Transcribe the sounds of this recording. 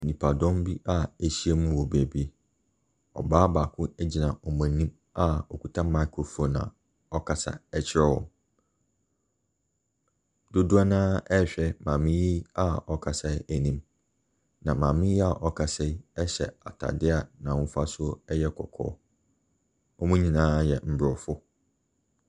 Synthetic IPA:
nĩ˨pʰa˨dɔ̃˦mbi˦ʔa˦æ˨ɕi˦ɛ˦mũ˦wɔ˨bæ˨bi˦e˨ | ɔ̰˨baː˦baː˨kʰʊ̃˦ɛ˦d͡ʑi˨nã˨ʔɔ˨mã˨nĩ˦m | a˦ɔ˨ku˨tʰã˦ma˦kʰɾo˨fo˨nã̰˨ | ɔ˦kʰa˨sa̰˨ɛ˦t͡ɕʰɪ˦ɾɛ˦wɔ̰̃˨m | dʊ˦du˦a˦nãː˦ɛ˦ɕᶣɛ˦mãː˨mɪ̃˦ji˦a˦˨ɔ˨kʰa˨sɛ˦æ˨nĩ˦m | nã˨mã˨mɪ̃˦ji˦a˨ʔɔ˨kʰa˨sɛ˦ɛ˦ɕɛ˨a˨tʰa̰˨dɪ˦a˨nã˨wʊ̃˦fa˦sʊ˦ɛ˦jɛ˦kʰɔ˨kʰɔ̰ː˨˦ | ɔ˦mũ˦ɲĩ˨nãː˦jɛ˨m̩˨bɾɔ˨fʊ˦

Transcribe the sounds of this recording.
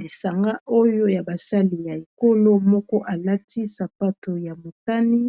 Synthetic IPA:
i˨sa˨ŋɡa˦ʔo˦jo˦ja˨ba˨sa˦li˨ja˨e˨ko˦lo˦mɔ˦kɔ˦ʔa˨la˦ti˦sa˨pa˦to˨ja˨mo˨ta˦ni˦

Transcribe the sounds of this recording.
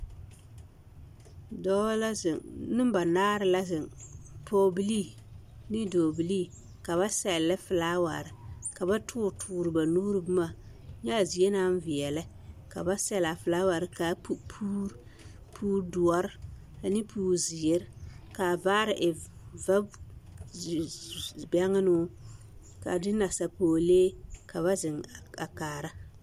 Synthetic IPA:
dɔ˦la˦zɪ˨ŋnɨ˦m˦ba˨naː˦ɾɨ˨la˦zɪ˨ŋpʰoː˦bi˦li˦nɪ˦doː˨bi˨li˦ | ka˨βa˦sɛ˨lːɪ˦fɨ˨laː˦wa̰˨ɾɪ˦ka˨ba˦tʰʊː˦ɾtʰuː˨ɾɨ˨ba˨nuː˦ɾɨ˦bɨ˦ma˦˨ | ɲa˦˨zi˨e˦na˦n˦vɪ˨ɛ˨lɛ˦ | ka̰˨ba˦sɛ˦la˨fɪ˨laː˦wa˨ɾɪ˦ka˨pu˨pʰuː˦ɾ | pʰuː˦ɾdu˨ɔ˦ɾ | a˨nɪ˦pʰuː˨˦˨zɪ˨ɛ˦ɾka˨baː˦ɾɪ˨ʔɪ˨va˦˨ | bɛ˦ŋa˦nʊ˦ | ka̰˨dɪ˦na˨sa˨poː˨leː˦ka˨βa˦zɪ˨ŋ˨a˨kaː˨ɾa˦

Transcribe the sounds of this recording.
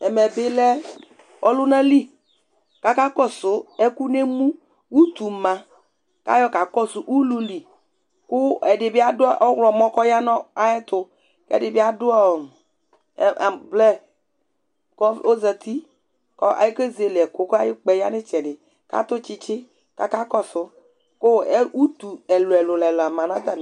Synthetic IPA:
ɛ˨mɛ˨bɪ˦lɛ˦ | ɔ˦lʊ˦nã˦li˦ | ka˦ka˦kɔ˦sʊ˨˦ɛ˦ku˦ne˦mũ˦ | wu˦t̪u˨mã˨ | ka̰˦jɔ˦ka˨kɔ˦sʊ˨ʔu˦lu˦li˨ | kʊ˦ɛ˨dɪ˨bɪ˦a˦dʊ˦ʔɔ˦wlɔ˨mɔ̃˦kɔ˦ja˦nɔ̃˦a˦jɛ˦t̪ʊ˨ | kɛ̰˦dɪ˨bɪ˦a˦dʊ˦ɔ˦˨ | a˨blɛ˦ | kɔ˦o˦zɛ˨t̪i˦ | kɔ˦ʔa̰˨ji˦ke˦ze˨le˨ɛ˨ko˦ka˦jɪ˦k͡pɛ˨ja˦nɪ˦t͡ʃɛ˨dɪ˨ | ka̰˦t̪ʊ˦t͡ʃi˦t͡ʃɪ˦ | ka̰˦ka˦kɔ˦sʊ˦ | ko˦ɛ˦wu˦t̪u˨ɛ˨lʊ˨ɛ˨lʊ˨lɛ˨lʊ˨a˨mã˨nã˦t̪a˨n˨

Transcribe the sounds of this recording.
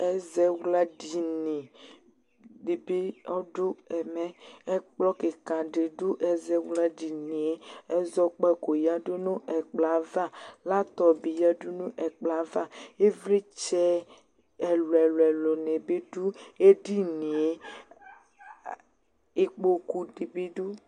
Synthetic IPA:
ɛ˦zɛ˦wla˦di˨nĩ˨ | de˨be˦ɔ˦ɖo˦ɛ˨mɛ˨ɛ˦k͡plɔ˦ke˨kã˨ɖe˨ɖo˦ʔɛ˦zɛ˦wla˦ɖi˨ni˨e˦ɛ˦zɔ˦k͡pɛ˦ko˨ja˦ɖo˦nũ˦ɛ˨k͡pla˨va˦˨la˦t̪ɔ˨bi˨ja˦ɖo˦nũ˦ʔɛ˨k͡pla˨va˦˨e˦vle˦t͡ʃɛ˦ | ɛ˨lo˨ɛ˨lɛ˨lɔ˨nẽ˨be˦ɖu˦e˦ɖi˦ni˨e˨ | e˦k͡po˦ku˦de˨be˦ɖu˦

